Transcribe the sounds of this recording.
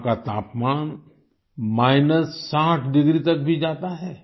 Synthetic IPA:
kat̪aːpmaːn | maːɪnəsːãːʈʰɖɪɡɾit̪ɐk̚bʱid͡ʒaːt̪aɦɛː

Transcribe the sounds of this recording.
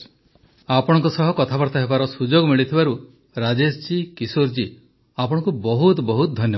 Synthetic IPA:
apɔɽ̃ɔ̃ŋkusɔɦɔkɔt̪ʰapɔɾt̪aɦebaɾɔsud͡ʒoɡɔmiɭit̪ʰibaɾu | ɾad͡ʒesd͡ʒikisoɾd͡ʒi | apɔɽ̃ɔ̃ŋkubɔɦut̪bɔɦut̪ɔd̪ʱɔnjɔ

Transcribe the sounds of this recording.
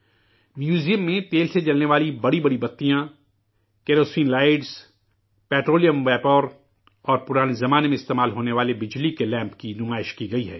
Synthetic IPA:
mjuːzijəmːẽt̪eːlsed͡ʒɐlneʋaːlibɐɽibɐɽibɐt̪ːijã | keːɾoːsĩːnlaːɪɖs | pɛːʈɾoːlijə̃mʋɛːpɔːɾ | ɔːɾpʊɾaːnezɐmaːnemẽɪst̪eːmaːlɦoːneʋaːlebɪd͡ʒlikelɛ̃ːmpkinʊmaːɪʃkiɡɐiɦɛ̰ː

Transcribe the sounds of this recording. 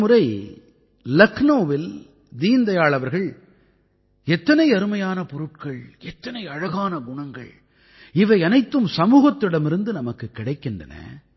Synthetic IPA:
mʊɾɐɪ | lɐknoːʋɪl | d̪iːnd̪ɐjaːɭɐʋɐɾɣɐɭ | ɛt̪ːɐnɐɪɐɾɯmɐjaːnɐpɔɾɯʈ̚kɐɭɛt̪ːɐnɐɪɐɻɐɣaːnɐɡʊɳɐŋɡɐ̰ɭ | ɪʋɐɪɐnɐɪt̪ːɯmsɐmuːɣɐt̪ːɯɽɐmɪɾɯnd̪ɯnɐmɐkːɯkːɪɽɐɪkːɪndrɐ̰nɐ̰

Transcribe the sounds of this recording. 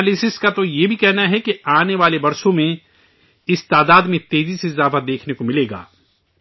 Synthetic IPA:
lɪsɪskat̪ojebʱikɛɦnaɦɛkiaːneʋaːlebɐɾsõmẽ | ɪst̪aːd̪aːd̪mẽt̪eːziseɪzaːfad̪eːkʰnekomɪleːɡa̰ː

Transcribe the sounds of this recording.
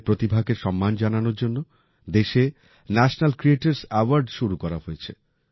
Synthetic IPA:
pɾot̪ibʱaɡeɾʃɔmːand͡ʑananoɾd͡ʑonːo | d̪eʃe | nɛʃnalkɾieʈaɾsawaɾɖʃuɾukɔɾaɦojet͡ɕʰe

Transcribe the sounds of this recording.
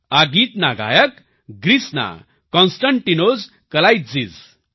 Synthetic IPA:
aɡit̪naɡa̰jək | ɡɾisna̰ | kɔ̃nsʈaɳʈinoz | kəlajt̪d͡ziz

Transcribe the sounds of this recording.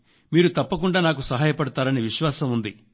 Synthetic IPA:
miːɾut̪ɐpːɐkuɳɖaːnaːk̬usɐɦaːjɐpɐɽɐt̪aːɾɐniːʋiʃʋaːsɐmund̪i

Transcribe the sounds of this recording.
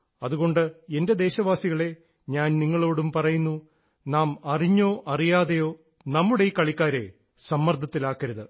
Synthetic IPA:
ɐðuɣo̞ɳɖɨe̞nde̞d̪e̞ːɕɐʋaːsiɣɐɭe̞ | ɲaːnniŋːɐɭo̞ːɽumpɐrɐjunːu | naːmɐriɲːo̞ːʔɐrijaːðejo̞ː | nɐmːuɽejikːɐɭikʲːaːɾe̞ | sɐmːɐrd̪ʱɐt̪ːilaːkːɐɾɐðɨ

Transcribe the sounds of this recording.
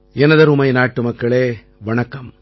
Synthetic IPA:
ɛnɐðɐɾʊmɐɪnaːʈːɯmɐkːɐɭeː | ʋɐɳɐkːɐm

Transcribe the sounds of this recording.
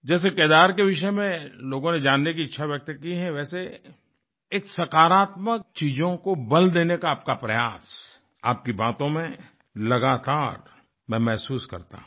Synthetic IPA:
d͡ʒɛːs̬ekeːd̪aːɾkeʋɪʃəmẽloːɡõned͡ʒaːnːek̬iɪtːʃʰaʋjɐk̚t̪kiɦɛ̃ʋɛːse | eːksɐkaːɾaːt̪mək̚t͡ʃiːd͡ʒõkobɐld̪eːnekaːp̚kapɾɐjaːs | a̰ːp̚kibaːt̪õmẽ | lɐɡaːt̪aːɾ | mɛ̃mɛɦsuːskɐ̰ɾt̪ã̰

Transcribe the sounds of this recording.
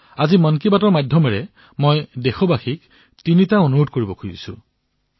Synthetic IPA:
azimɔnkibatɔɹmajdʱjɔmɛɹɛ | mojdexɔbaxik | tinitaonuɹodkoɹibɔkʰujisʊ̰̃

